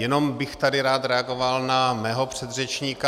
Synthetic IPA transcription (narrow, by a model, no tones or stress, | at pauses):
jɛno̞mbɪxt̪adɪɾaːt̪ɾɛaɡo̞valnamɛːɦo̞pr̥ɛd̪r̝ɛt͡ʃɲiːka